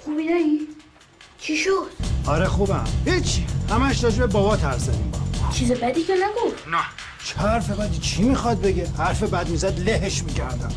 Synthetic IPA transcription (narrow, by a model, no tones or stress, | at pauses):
xubinæi | t͡ʃʰiʃod̪̥ɒɾexubæ̰mhit͡ʃʰːihæmæʃɾɒːd͡ʒebebɒbɒːt̪ʰæɾszæd̪ḭmbɒ̰t͡ʃʰiːzebæd̪iːkʰenæɡufnæ | t͡ʃʰæɾfebæd̪iːt͡ʃʰimixɒd̪̚beɡehæɾfebæd̪mizæd̪leheʃmicʰæɾd̪æm